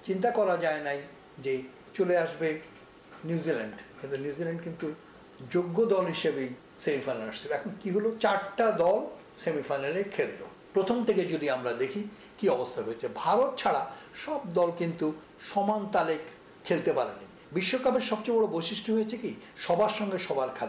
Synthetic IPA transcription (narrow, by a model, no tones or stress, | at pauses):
t͡ɕint̪akɔɾad͡ʑaenaj | d͡ʑe | t͡ɕoleaʃbe | njuzilaɳɖt̪at̪enjuzilaɳɖkint̪u | d͡ʑoɡːod̪ɔlɦiʃebej | semifajnalaʃt͡ɕʰiloɛkʰonkiɦolot͡ɕaɾʈad̪ɔl | semifajnalekʰelːo̰ | pɾot̪ʰomt̪ʰeked͡ʑod̪iamɾad̪ekʰi | kiɔbost̪ʰaɦojet͡ɕʰebʱaɾot̪̚t͡ɕʰaɽaʃɔb̚d̪ɔlkint̪u | ʃɔmant̪alek | kʰːelt̪epaɾeni | biʃːokapeɾʃɔb̚t͡ɕejbɔɽobojʃiʃʈʰoɦojet͡ɕʰekiʃɔbaɾʃɔŋɡeʃɔbaɾkʰale